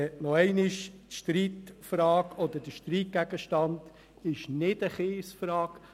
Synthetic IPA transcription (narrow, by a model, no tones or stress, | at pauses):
ɛʔnɔɛɪnɪʃtʃtɾiːtfrɑːkɔd̪əd̥əʃt̪ɾiːt̚ɡ̥æɡəʃtɑnd | ɪʃnɪdəχeːsfrɑːk